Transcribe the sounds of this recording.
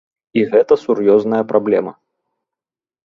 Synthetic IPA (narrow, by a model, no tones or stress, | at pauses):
iɣɛt̪ɐsurjɔznɐjɐpɾablʲɛmɐ